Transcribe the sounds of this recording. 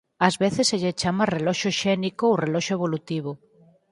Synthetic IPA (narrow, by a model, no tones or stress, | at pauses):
ɐzβeθeseʎet͡ʃamarelɔʃoʃɛnikoowrelɔʃʊeβ̞olut̪iβ̞ʊ